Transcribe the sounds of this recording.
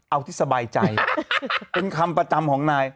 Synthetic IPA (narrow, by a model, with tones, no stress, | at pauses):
ʔa˧wt̪ʰiː˥˩sa˧baː˧jt͡ɕa˧j | pe˧nkʰa˧mpɾa˧t͡ɕa˧mkʰɔː˩˦ŋnaː˧j